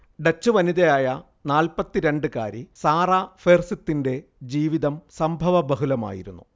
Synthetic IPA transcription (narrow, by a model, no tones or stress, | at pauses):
ɖɐt͡ɕːɨʋɐniðɐjaːjɐ | naːlpɐt̪ːiɾe̞ɳɖɨka̰ːɾisaːrafeːrsit̪ːinde̞d͡ʑiːʋiðɐmsɐmbʱɐʋɐbɐɦulɐma̰ːjḭɾunːu